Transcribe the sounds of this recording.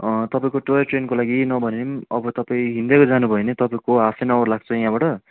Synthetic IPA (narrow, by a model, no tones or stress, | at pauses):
ʌt̪ʌpaĩkoʈojʌʈrenkolaɡinʌbʱʌneimʌbʌt̪ʌpaĩɦĩnd̪ekod͡zanubʱʌenet̪ʌpaĩkoasenʌʌrlaɡ̚t͡sʰʌjãbaʈʌ